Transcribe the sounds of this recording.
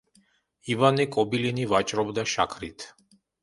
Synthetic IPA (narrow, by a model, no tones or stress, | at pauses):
ivanikʼɔbilinivat͡ʃʼɾɔbd̪aʃa̰kʰɾit̪ʰ